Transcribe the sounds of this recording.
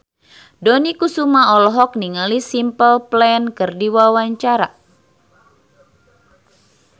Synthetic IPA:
dɔnikusumaɔlɔɦɔk̚niŋalisimpəlplɛnkərdiwawaɲt͡ʃaɾa

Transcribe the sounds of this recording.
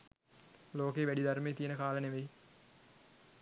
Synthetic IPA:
loːkeːʋæɖid̪aɾmeːt̪ijənəkaːləneʋej

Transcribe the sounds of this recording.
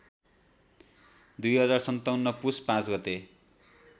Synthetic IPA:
d̪ujɦʌd͡zarsʌnt̪awnːʌpuspãt͡sɡʌt̪e

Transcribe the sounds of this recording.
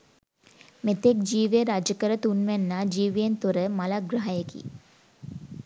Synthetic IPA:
met̪ek̚d͡ʒiːʋeɾad͡ʒəkəɾət̪unʋenːaːd͡ʒiːʋijent̪uɾəmalaɡɾaɦajekḭ

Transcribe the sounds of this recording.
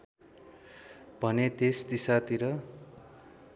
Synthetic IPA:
bʱʌned̪est̪isat̪iɾʌ

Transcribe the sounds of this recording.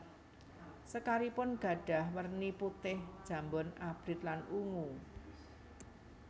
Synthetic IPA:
səkaɾipʊnɡ̥ä̤ɖ̥ä̤hmərniput̪ɪhd̥ʒ̥ä̤mbʊnʔab̥ɾɪt̪̚lanuŋu

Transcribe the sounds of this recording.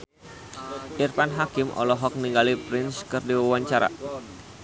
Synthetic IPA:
ʔirfanɦakɪmʔɔ̰lɔɦɔk̚niŋɡalipɾɪnskɨrdiwawaɲt͡ʃaɾa̰

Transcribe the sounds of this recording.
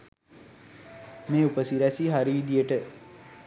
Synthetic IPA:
meːupəsiɾæsiɦaɾiʋid̪ijəʈə

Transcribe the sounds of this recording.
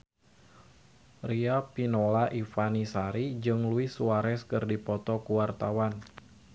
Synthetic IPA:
riapinolaʔifanisaɾid͡ʒɨŋluɪsuaɾɛskɨrdipɔt̪ɔkuwart̪awan

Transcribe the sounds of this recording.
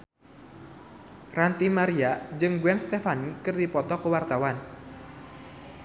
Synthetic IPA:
rant̪imaɾiad͡ʒɨŋɡuɛŋst̪efanikɨrdipɔt̪ɔkəwart̪awan

